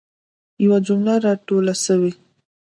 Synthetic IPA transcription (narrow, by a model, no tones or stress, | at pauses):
jawad͡ʒʊmlaɾɑʈolaʃəwi